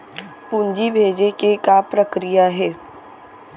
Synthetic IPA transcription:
pund͡ʒibʱeːd͡ʒekekapɾəkɾijaɦɛː

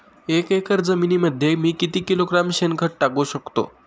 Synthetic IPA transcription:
ekekəɾd͡zəminiːməd̪ʱːjemiːkit̪iːkiloɡɾamɕenɡʱəʈ̚ʈakuːɕəkt̪o̰

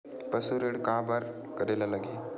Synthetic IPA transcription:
pəsuɾeɽkabaɾ | kəɾelalaɡeː

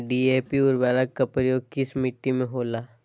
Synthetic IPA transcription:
ɖiːeːpiʊɾʋɛːlək̚kapɾəjoːɡ̚kɪsmɪʈːimẽɦoːlaː

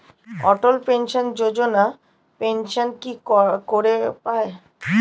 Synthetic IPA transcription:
ɔʈolpenʃond͡ʑod͡ʑona | penʃonkikoɾepae

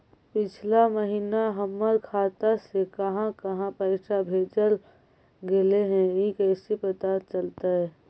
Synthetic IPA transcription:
pɪt͡ʃʰlaməɦiːnaɦəmːəɾkʰaːt̪asekəɦãkəɦãpəɪsʰabʱeːd͡ʒəl | ɡeleɦɛ̃ikɛːsipɾət̪at͡ʃəlt̪aɦɛ

